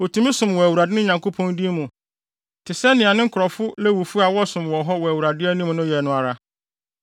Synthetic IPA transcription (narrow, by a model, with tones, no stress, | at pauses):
o˨tʰũ˨mĩ˦sʊ̃˨mwɔ˨æ˨wu˨ɾa˨dɪ˦nʊ̃˦ɲã˨ŋko˦pʰɔ̃˦ndi˦mũ˨ | tʰɪ˨sɛ˦nɪ̃˨a˨nɪ̃˦ŋ̩˦kʰʊ˨ɾɔ˨fʊ˦lɛ˦wu˨fu˦a˨wɔ˦sʊ̃˨mwɔ˨ɦɔ˦wɔ˨æ˨wu˨ɾa˨dɪ˦æ˦nĩ˦m˨nʊ̃˦jɛ˨nʊ̃˦a˨ɾa˦